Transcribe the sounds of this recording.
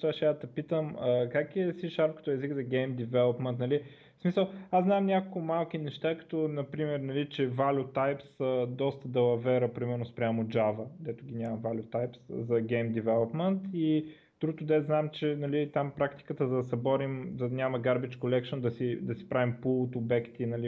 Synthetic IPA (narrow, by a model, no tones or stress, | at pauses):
ʃt̪aʃɛat̪ɐpit̪əməkakiɛsiʃaɾp̚kə̥t̪ɔɛziɡzɐɡɛjmd̪ivɛlˠopmɛnt̪nɐli | smisəlˠaznamnʲakokʊmalˠk̟inɛʃt̪akɐ̥t̪ɔnɐpɾimɛɾnɐlit͡ʃɛvalʲut̪ajpsəd̪ɔst̪əd̪ɛlɐvɛɾəpɾimɛɾnʊspɾʲamod͡ʒavəd̪ɛt̪ʊɡʲinʲamɐvalʲʊt̪ajpszɐɡɛjmd̪ɛvɛlˠopmɛnt̪i | d̪̥ɾut̪ʊd̪ɛznamt͡ʃɛnɐlit̪ampɾakt̪i̥kət̪əd̪ɐsɛbɔɾimd̪ɐnʲaməɡaɾbit͡ʃkolɛkʃond̪ɐsid̪ɐsi̥pɾavimpulˠot̪obɛkt̪inɐli